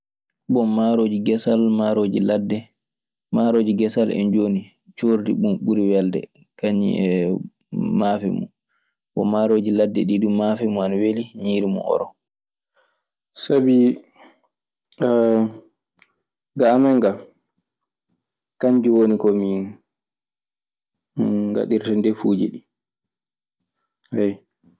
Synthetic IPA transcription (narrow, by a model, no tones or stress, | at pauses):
bɔmaɾod͡ʒiɡɛsalmaɾod͡ʒiladɛ | maɾoːd͡ʒiɡɛsalɛ̰nd͡ʒoni | t͡ʃoɾdḭɓunɓuɾiwɛldɛ̰ | kaɲːḭɛ | mafɛ̰mṵ | ɓɔ̰maɾoːd͡ʒiladːɛɗiɗumːafɛmɔanaweliɲiːɾimɔ̰ʔɔ̰ɾɔ | sabi | ɡamɛŋɡa | kaɲd͡ʒiwonikɔmi | ŋɡa̰ɗiɾtɛndɛfuːd͡ʒḭɗi | hɛj